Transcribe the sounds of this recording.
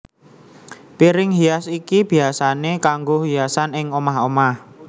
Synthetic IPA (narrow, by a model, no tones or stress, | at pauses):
piɾɪŋɦiasikib̥i̤asanekaŋɡoɦiasanɪŋomaɦomah